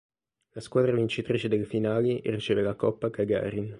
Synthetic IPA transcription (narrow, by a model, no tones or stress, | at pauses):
laskwaːd̪ɾavint͡ʃit̪ɾiːt͡ʃed̪elefinaːlirit͡ʃeːvelakɔpːakaɡa̰ɾin